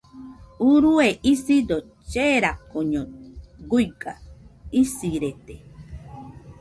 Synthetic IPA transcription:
uɾueʔisid̪o | t͡ʃeɾakoɲõɡujɡaisiɾet̪e

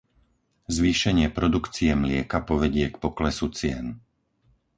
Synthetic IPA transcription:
zʋiːʃɛɲɪɛpɾɔd̪ukt͡siɛmlɪɛkapɔʋɛɟɪɛkpɔklɛsut͡sɪɛn

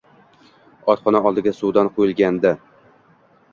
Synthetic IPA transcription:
ɒt̪χɒnaɒlˠd̪ɪɡʲasud̪anqʰojɪlˠɡʲand̪a

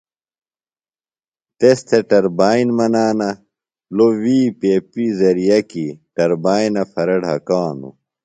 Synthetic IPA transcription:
t̪est̪ʰeʈɐɾbaːinmɐnaːnɐ | lowiːpeːpizɐɾijɐkiʈɐɾbaːinɐfɐɾɐɽɦɐkaːnṵ

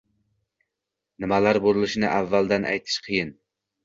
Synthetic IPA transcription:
nɪmalaɾboɾɨlˠɪʃɪnɪʔævːald̪anʔæ̰jt̪ʰɪ̥ʃqʰɨjɪn

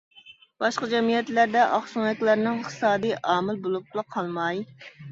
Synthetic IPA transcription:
b̥ɑʃqɑd͡ʒɛmijɛt̪læɾd̪ɛʔɑχʃuŋɛkʲlæɾnɪŋχt̪ɨ̥sɑːd̪ijʔɑːmɪlbolˠup̚t̪ʰɨlˠəqʰɑlˠmɑj

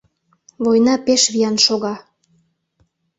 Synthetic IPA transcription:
βojnɑpeʃβiɑnʃoɣɑ

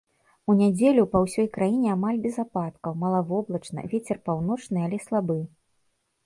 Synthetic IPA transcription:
unʲad͡zʲelʲupɐwsʲɔjkɾajinʲɛamalʲbʲɛzapat̪kɐwmɐlˠavɔblˠɐt͡ʂnɐ̰vʲet͡sʲɛrpawn̪ɔt͡ʂnɨalʲɛslˠabɨ

